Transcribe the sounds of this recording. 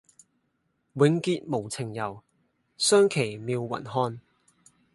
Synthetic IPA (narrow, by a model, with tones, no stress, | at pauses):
wɪ˨˥ŋkiː˧t̚mo˨˩wt͡sʰɪ˨˩ŋjɐ˨˩w | sœː˥ŋkʰe˨˩jmiː˨˧wːɐ̰˨˩nɦɔː˧n